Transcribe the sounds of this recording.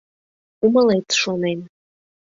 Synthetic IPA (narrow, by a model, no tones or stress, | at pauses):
umalejtʂonejn